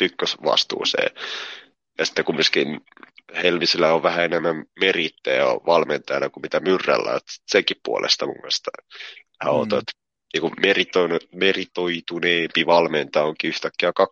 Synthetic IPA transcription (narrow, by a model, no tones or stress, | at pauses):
pykːøsʋɑ̰st̪ṵːsḛː | jɑsi̥t̪ːekummyskin | helmisilːæoʋʋæhæenemːæmmerit̪ːḛj̰ʋɑlment̪ɑjnækumit̪æmyrːæ̰lːɑ̰ot̪si̥t̪seŋkippṵo̰lʔḛst̪ɑmṵŋkːɑnst̪ɑ | hæ̰o̰t̪ot̪ | niːkumerit̪onmerit̪oit̪uneːmpiʋɑlment̪ɑoŋkiyht̪ækːiækɑk